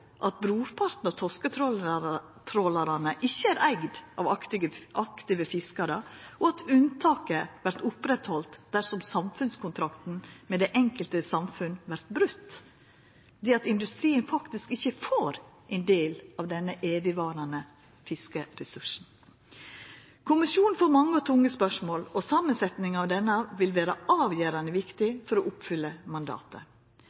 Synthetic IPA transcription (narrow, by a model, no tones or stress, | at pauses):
ʔɑt̪̚bɾuːpʰɑɾt̪n̩ɔt̪ʰɔskət̪ʰɾɔ | t̪ʰɾɔlɑɾɑnəʔɪçːəæɾʔæɡd̪ʔɑ̰ʋɑkt̪ɪɡəʔɑkt̪ɪːʋəfɪskɑɾəʔɔɑt̪ʉnt̪ʰɑːkəʋæɾt̪ʊpɾɛt̪hɔlt̪d̪æʂɔmsɑmfʉnskʰʊnt̪ʰɾɑkt̪n̩mɛd̪ɛʔɛŋkəlt̪əsɑmfʉnʋæɾt̪bɾʉt̪ː | d̪ɛːɑt̪ɪnd̪ʉst̪ɾiːənfɑkt̪ɪskɪçəfoːɾʔɛɪnd̪eːlɑʋd̪ɛnːəʔeːʋɪʋɑːɾɑnə | fɪskəɾɛsʉʂn̩ | kʰʊmɪsjuːnn̩foːɾmɑŋːəɔt̪ʰʊŋːəspœʂmoːlɔsɑːmənsɛt̪nɪŋɑʋd̪ɛnːəɑʋɪlʋæːɾəʔɑːʋjøːɾɑnəʋɪkt̪ɪfɔɾɔʔʊpfʏlːəmɑnd̪ɑ̰ːt̪ə̰